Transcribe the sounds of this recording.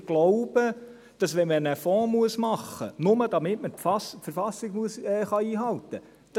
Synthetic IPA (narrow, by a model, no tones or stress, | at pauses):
ɡ̥loʊb̥ə | d̥ɑsʋɛmənəfɔ̃ːmuəsmɑχːənʊməd̥ɑmɪtməfɑsfəɾfɑsɪɡmuəsɛχɑiːɦɑlt̪ə | d̥ɑ